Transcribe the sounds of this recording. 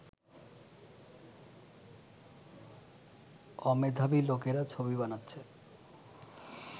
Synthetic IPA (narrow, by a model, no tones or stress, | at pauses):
ɔmed̪ʱabilokeɾat͡ɕʰobibanatːɕʰe